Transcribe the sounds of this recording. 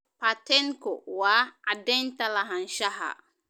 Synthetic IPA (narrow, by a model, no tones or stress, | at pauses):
patɛnkɔwaadɛntalaɦanʃaɦa̰